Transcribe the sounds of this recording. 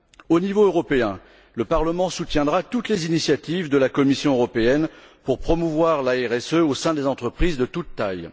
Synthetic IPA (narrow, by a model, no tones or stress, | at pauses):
onivoøʁɔpeɛ̃ | ləpaʁləmɑ̃sut̪jɛ̃d̪ʁat̪ut̪lezinisjat̪ivd̪əlakɔmisjɔ̃øʁɔpeɛn | puʁpχɔmuvwaʁlaɛʁɛsøosɛ̃d̪ezɑ̃t̪χəpχizd̪ət̪ut̪ːaj